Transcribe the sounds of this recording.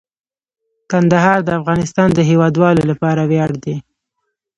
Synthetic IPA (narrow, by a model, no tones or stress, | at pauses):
kand̪aɦɑɾd̪əafɣɑnɪst̪ɑnd̪əɦewɑd̪wɑlolapɑɾawjɑɽd̪e